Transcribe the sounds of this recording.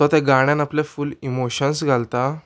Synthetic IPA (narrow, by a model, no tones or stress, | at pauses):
tɔt̪ɛ̃ɡaɽ̃jãnapljafulimoɕənsɡʱalt̪a